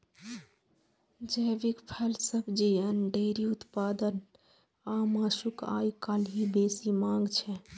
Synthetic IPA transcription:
d͡ʒəbikpʰɛlsəbd͡ʒiənɖeɾiut̪pad̪ən | amasuka̰jkalɦibesimãŋɡt͡ʃʰɛ

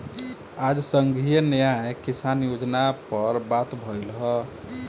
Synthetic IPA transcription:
ad͡ʒsəŋɡʱijənəjajkisanjod͡ʒnapəɾbat̪bʱəlɦɔ

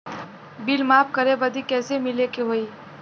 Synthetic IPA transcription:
bilmap̚ʰkəɾebəd̪ikɛːsemilekeɦoi

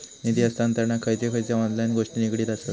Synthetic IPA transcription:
nid̪iəst̪ant̪əɾnakʰəjt͡sekʰəjt͡sjaɔ̃nlajnɡoʂʈinikɽiːt̪asət̪

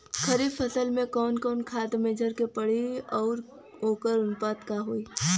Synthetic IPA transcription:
kʰəɾiːbfʰəsəlmẽkɔːnkɔːnkʰaːt̪meːd͡ʒʱəɾkepəɽiɔːɾ | ɦoːkəɾʊnpaːd̪kaɦoːiː

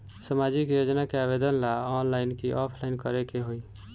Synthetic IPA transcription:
səmad͡ʒikjod͡ʒnakeaβed̪ənlaɔnlajnkiʔɔpʰlaɪnkəɾekeɦoj

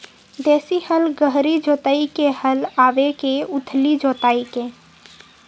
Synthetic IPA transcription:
d̪eːsihəlɡəɦɾid͡ʒoːt̪aikehəlaːʋekeʊt̪ʰlid͡ʒoːt̪aːike

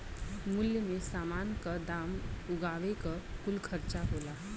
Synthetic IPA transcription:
mʊljəmesaːmaːnkad̪aːmʊɡaːʋekakʊlkʰəɾt͡ʃaɦoːla

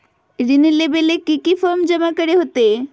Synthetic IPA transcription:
ɾinelebelekikifʰɔɾmd͡ʑɔmakɔɾeɦot̪e

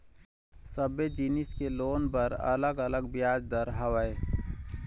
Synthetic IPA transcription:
səbed͡ʒiːnɪskeloːnpəɾə̰ləɡələɡbɪjaːd͡ʒd̪əɾɦəʋəe

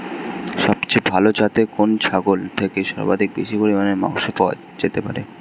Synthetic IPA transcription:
ʃɔbt͡ɕebʱalod͡ʑat̪ekont͡ɕʰaɡolt̪ʰekeʃɔ̰ɾba̰d̪ʱik̚beʃipoɾimaneɾmã̰ʊʃopɔa̰ | d͡ʑet̪epa̰ɾḛ

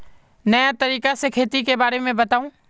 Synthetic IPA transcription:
nəjat̪əɾiːkasekʰeːt̪ikebaːɾemẽbɐt̪aːũː

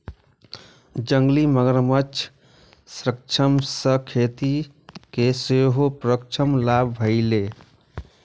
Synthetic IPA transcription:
d͡ʒəŋɡliməɡəɾmət͡ʃʰ | sɾək̚t͡ʃʰəmsəkʰet̪i | keseɦopɾəkt͡ʃʰəmlabʱbʱəɪle

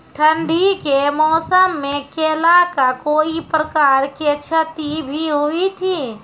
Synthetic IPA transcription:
ʈʰənd̪ʱikemɔːsəmːẽkelakakoːipɾəkaːɾket͡ʃʰət̪ibʱiɦʊit̪ʰiː

